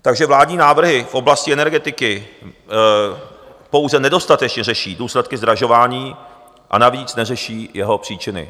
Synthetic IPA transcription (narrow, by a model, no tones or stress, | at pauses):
t̪aɡʒɛvlaːdɲiːnaːvr̩ɦɪfʔo̞blascɪʔɛnɛɾɡɛt̪ɪkɪ | po̞wzɛnɛdo̞st̪at̪ɛt͡ʃɲɛrɛʃiːduːslɛt̪kɪzd̪ɾaʒo̞vaːɲiː | ʔa̰naviːt͡snɛrɛʃiːjɛɦo̞pr̥iːt͡ʃɪnɪ̰